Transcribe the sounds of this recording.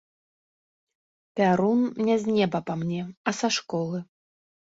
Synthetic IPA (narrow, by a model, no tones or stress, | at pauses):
pʲaɾunnʲɛzʲnʲɛbɐpamnʲɛɐsaʂkɔlˠɨ